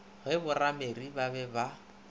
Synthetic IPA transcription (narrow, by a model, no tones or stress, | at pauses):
ɣɛbʊrameribabɛba